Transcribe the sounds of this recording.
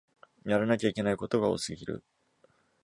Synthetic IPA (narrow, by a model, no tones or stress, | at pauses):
jaɾanakʲaikʲe̞naiko̞t̪o̞ɡao̰sɨɡʲiɾɯ̰